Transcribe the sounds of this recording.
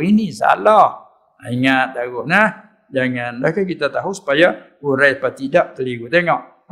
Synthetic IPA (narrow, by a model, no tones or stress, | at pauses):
inisa̰lɔh | aiŋat̪̚daɡʊhnah | d͡ʒaŋanlahkakit̪at̪aɦusu̥paja | uɾajpat̪idaʔt̪əliɡut̪eŋɔʔ